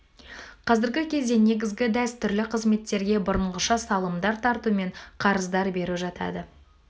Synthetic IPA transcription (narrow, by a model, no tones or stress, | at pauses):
qʰɑzɪɾɡʲɪkʲʰe̞zd̪e̞ne̞ɡʲɪzɡʲɪd̪æst̪ʰʏɾlɪqʰəzme̞t̪ːe̞ɾɡʲe̞bʊɾəɴʁəʃɑsɑlˠəmd̪ɑɾt̪ʰɑɾt̪ume̞ɴqʰɑɾəzd̪ɑɾbe̞ɾuʒɑt̪ɑ̰d̪ə